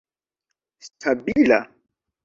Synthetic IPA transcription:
stʰabila̰

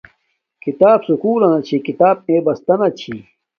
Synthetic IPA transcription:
kit̪aːbsukuːlɐnɐt͡ɕʰikit̪aːb̚neːbɐst̪ɐnɐt͡ɕʰḭ

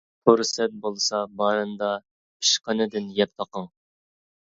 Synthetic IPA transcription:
huɾsɛt̪̚bolˠsɑbɑːɾɨnd̪ɑ | pi̥ʃqʰənɨd̪ɪnjɛp̚t̪ʰɑqəŋ

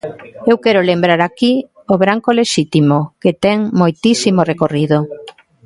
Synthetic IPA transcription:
ewkɛɾolembɾaɾaki | oβɾaŋkoleʃit̪imoket̪ɛŋmojt̪isimorekoriðo

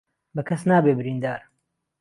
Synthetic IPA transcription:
bɐkʰɐsnaːbeːbɨɾiːnd̪aːɾ

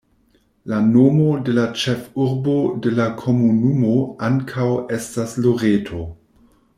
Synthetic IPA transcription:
lanomo̞de̞lat͡ʃe̞fuɾbo̞de̞lakʰo̞munumo̞aŋkʰawe̞stasloɾetʰo̞

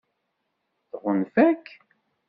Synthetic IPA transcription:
θʁənfækː

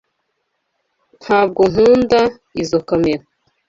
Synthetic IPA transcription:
n̥haːb̚ɡon̥uːnda | izokameɾa

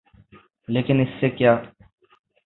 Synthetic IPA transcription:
leːkɪnɪsːekjaː

